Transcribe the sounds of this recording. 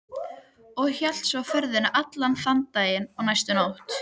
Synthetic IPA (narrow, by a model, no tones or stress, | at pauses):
ɔɣçal̥t̪sawfœɾðɪnaʔat̪lanθant̪ːaːjɪnɔwnajst̪ʏnawht̪